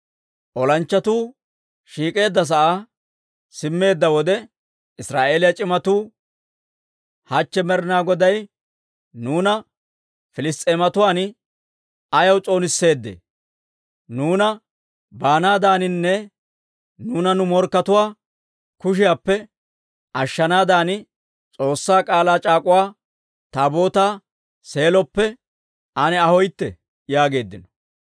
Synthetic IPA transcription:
ʔɔlɐnt͡ʃːɐt̪uː | ʃiːkʼe̞ːd̪ːɐs̬ɐʔaː | sɪmːe̞ːd̪ːɐwɔd̪ɛ | ɪsɾaːʔeːlɪjɐt͡ʃʼɪmɐt̪uː | hɐt͡ʃːɛmɛɾɪnaːɡɔd̪ɐj | nuːnɐ | fɪlɪst̪ʼeːmɐt̪ʊwaːn | ɐjɐwt͡sʼo̞ːnɪsːe̞ːd̪ːḛ | nuːnɐ | baːnaːd̪aːnɪnːɛ | nuːnɐnʊmɔɾkːɐt̪ʊwaː | kʊʃ̬ɪjaːpːɛ | ʔɐʃːɐnaːd̪aːnɪ | t͡sʼo̞ːsːaːkʼaːlaːt͡ʃʼaːkʼʊwaː | t̪aːbo̞ːt̪aː | se̞ːlɔpːɛ | ʔɐnɛɐhɔjt̪ːɛ | jaːɡe̞ːd̪ːɪnɔ̥

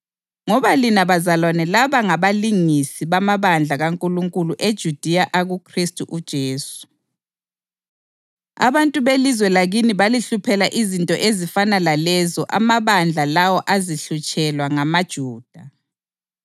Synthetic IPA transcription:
ŋɔβalinaβazalwanɛlaβaŋaβaliŋisiβamaβand͡ɮʱaɣaŋkʼuluŋkʼuluʔed̥ʒ̥ʱud̥ʱijaʔaɣukʰristʼuʔud̥ʒ̥ʱeːsu̥ | a̰βantʼuβelizwɛlaɣiniβaliɬupʰɛlaʔizintʼɔʔezifanalalɛzɔʔamaβand͡ɮʱalawɔʔaziɬut͡ʃʼɛlwaŋamad̥ʒ̥ʱuːd̥ʱa

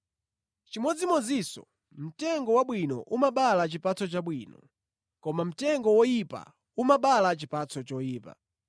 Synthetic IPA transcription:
t͡ʃimɔd͡zimɔd͡zisɔ̰ | m̩tɛŋɡɔwaɓwinɔ̰ʔumaɓalat͡ʃipat͡sɔt͡ʃaɓwiːnɔ̰ | kɔmam̩tɛŋɡɔwɔjipa̰ | umaɓalat͡ʃipat͡sʰɔt͡ʃɔjiːpa̰

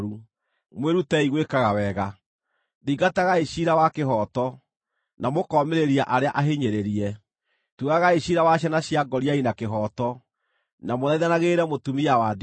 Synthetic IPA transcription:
ɾu | mweɾutɛiɣwekaɣawɛɣa | ðiɡataɣaeɕiɾawakeɦɔtɔ | namokɔmeɾeɾiaʔaɾeaʔaɦeɲeɾeɾiɛ | tuɣaɣaeɕiɾawaɕ̬janaɕiaɡɔɾiainakeɦɔtɔ | namoðaiðanaɣeɾɛmotumiawad

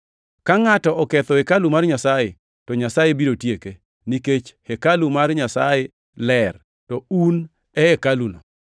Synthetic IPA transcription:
kaŋatɔʔɔkɛt̪ɔekalumarɲasaje | tɔɲasajebiɾotjeke | niket͡ʃhekalumarɲasa̰je | lɛr | tɔun | ɛɛkalunɔ̰

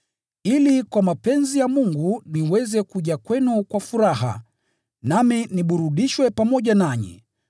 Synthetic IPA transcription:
ilikwamapɛnzijamuŋɡuniwɛzɛkuʄakwɛnukwafuɾaɦa̰ | naminiɓuɾuɗiʃwɛpamɔʄanaɲɛ̰

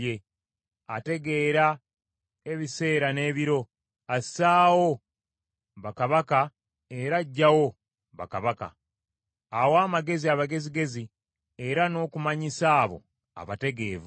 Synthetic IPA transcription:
je | ate̞ɡe̞ːɾa | e̞βise̞ːɾane̞ːβiɾo̞ | asaːwo̞ | βakaβaka | e̞ɾaɟːawo̞ | βa̰kaβaka̰ | awaːmaɡe̞ziaβaɡe̞ziɡe̞zi | e̞ɾano̞ːkumaɲisaːβo̞̰ | a̰βate̞ɡe̞̰ːvu

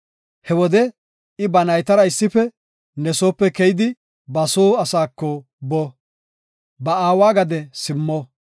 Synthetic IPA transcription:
hɛwɔd̪ɛ | ɪbɐnɐjt̪ɐɾɐɪsːɪfɛ | nɛsoːpːɛkɛjɪd̪ɪ | bɐsoːɐsaːkːɔ | bɔ | bɐaːwaːɡɐd̪ɛsɪmːɔ

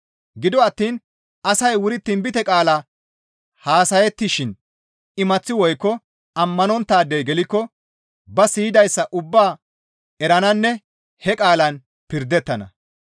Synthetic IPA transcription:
ɡɪd̪ɔɐt̪ːiːn | ʔɐsɐjwʊɾɪt̪ːɪnbɪt̪ɛkʼaːlɐ | haːsɐjɛt̪ːɪʃɪn | ɪmɐt͡sːɪwɔjkːɔ | ɐmːɐnɔnt̪ːaːd̪ːejɡɛlɪkːɔ | bɐsiːd̪ɐjsːɐʔʊbːaː | ɛɾɐnɐnːɛ | hɛkʼaːlɐn | pɪɾd̪ɛt̪ːɐnɐ̰

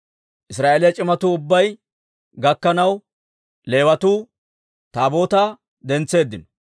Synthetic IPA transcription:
ʔɪsɾaːeːlɪjɐt͡ʃʼɪmɐt̪uːʊbːɐj | ɡɐkːɐnɐw | le̞ːwɐt̪uː | t̪aːbo̞ːt̪aː | d̪ɛnt͡sːe̞ːd̪ːɪnɔ̥

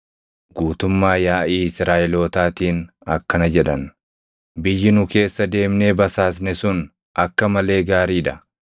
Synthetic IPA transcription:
ɡuːt̪ʊmːaːjaːʔiːɪsɾaːʔɛloːt̪aːt̪iːn | ɐ̰kːɐnɐd͡ʒɛᶑɐn | bɪjːɪnʊke̞ːsːɐd̪e̞ːmneːbɐsaːs̬nɛsʊn | ɐkːɐmɐle̞ːɡaːɾiːᶑɐ

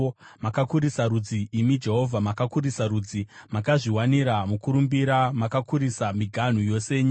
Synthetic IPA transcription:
makakuɾisaɾud͡ziimid͡ʒe̞ɦo̞vʱamakakuɾisaɾuːd͡zimakaʐiwaniɾamukuɾumbiɾamakakuɾisamiɡʱan̤ujo̞seːɲi

